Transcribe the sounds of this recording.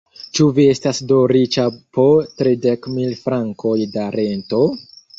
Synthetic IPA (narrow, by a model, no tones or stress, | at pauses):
t͡ʃuvie̞stasdo̞ɾit͡ʃapotɾide̞kmilfɾaŋkʰo̞jdaɾe̞nto̞